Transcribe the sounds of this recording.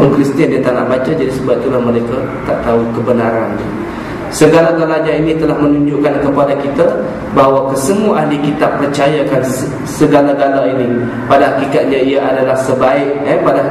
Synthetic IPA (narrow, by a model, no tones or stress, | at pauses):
kɾist̪iandiat̪anaʔbat͡ʃad͡ʒadisəbat̪ulahməlajka | t̪aʔt̪aukəbənaɾand̪u | səɡalaɡalad͡ʒainĩt̪əlahmənũɲd͡ʒuʔkankəpadakit̪a | baɦwakəsəmuaʔaɦlikit̪apːərt͡ʃajakans | səɡalaɡalaini | padaɦakikat̪̚ɲaiaʔadalahsəbaɪʔɛpada